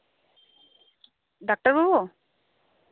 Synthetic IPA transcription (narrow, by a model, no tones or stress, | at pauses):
ɖak̚ʈəɾbabu